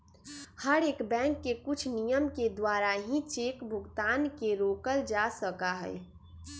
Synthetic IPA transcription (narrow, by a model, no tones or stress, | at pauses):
həɾeːkbɛ̃ːŋkːekʊt͡ʃʰnijəmked̪waːɾaɦĩt͡ʃeːkbʱʊɡt̪aːnkeɾoːkəld͡ʒasəkaɦɛ̰ɛ